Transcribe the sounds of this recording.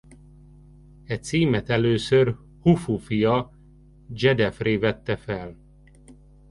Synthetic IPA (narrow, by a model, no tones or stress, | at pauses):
ɛt̪siːmɛt̪ɛløːsør | hufufijɒ | d͡ʒɛd̪ɛfreːvɛt̪ːɛfɛl